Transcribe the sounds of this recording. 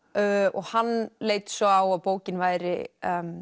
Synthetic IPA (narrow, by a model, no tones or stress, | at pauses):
ɔɣhanːleːjt̪sɔaːwaðpoːwcɪnvaːjɾɪ̰m